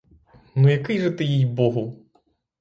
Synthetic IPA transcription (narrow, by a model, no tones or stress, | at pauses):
nujɐkɪjʐɛt̪ɪjijbɔɦʊ